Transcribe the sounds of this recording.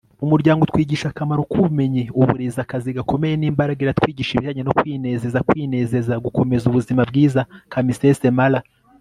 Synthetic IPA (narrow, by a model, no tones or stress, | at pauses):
umuɾɟaːŋɡotwiːɟiːʃakamaɾokume̞ɲe̞uβṵɾezakaziɡako̞me̞jeniːmbaɾaɡiɾat̪kwiːɟiʃiβiʒaɲeno̞kwiːne̞ːze̞zakwiːne̞ːze̞zaɡuko̞me̞zuβuzimabɡiːzakamisese̞mala